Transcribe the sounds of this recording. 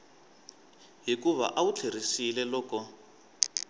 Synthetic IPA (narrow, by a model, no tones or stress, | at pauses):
ɦikuβa̰ʔaut͡ɬʰer̤isilɛlɔːkɔ